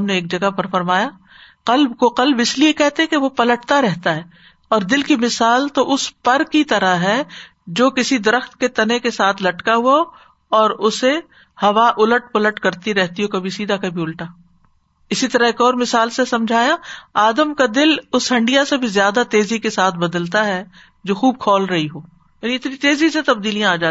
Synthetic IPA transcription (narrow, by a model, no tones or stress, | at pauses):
mneeːk̚d͡ʒɐɡapɐɾfɐɾmaːja | qɐlbkoqɐlbɪsliekɛɦt̪eɦɛ̃keʋopɐləʈ̚t̪aɾɛɦt̪aɦɛː | ɔːɾd̪ɪlkimɪsaːlt̪oʔʊspɐɾkit̪ɐɾaɦɛ | d͡ʒoːkɪsid̪ɐɾəxt̪ket̪ɐnekesaːt̪ʰlɐʈkaɦua | ɔːɾʊse | hɐʋaʔʊləʈ̚pɐləʈkɐɾt̪iɾɛɦt̪iɦokɐbʱisiːd̪ʱakɐbʱiʊlʈaː | ɪsit̪ɐɾaɦeːkɔːɾmɪsaːlsesɐ̃md͡ʒʱaːjaaːd̪əmkad̪ɪlʊsɦɐ̃ɳɖijasebʱizjaːd̪at̪eːzikesaːt̪ʰbɐd̪əlt̪aɦɛ | d͡ʒoːxuːb̚kʰɔːlɾɐɦiɦoː | jaːniɪt̪nit̪eːziset̪ɐbd̪iːlijãaːd͡ʒaː